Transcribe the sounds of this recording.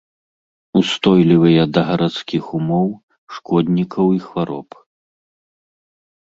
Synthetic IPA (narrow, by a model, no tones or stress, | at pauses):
ust̪ɔjlʲivɨjɐd̪ɐɣɐɾat̪skʲixumɔw | ʂkɔd̪ʲnʲikʰɐwixvaɾɔ̰p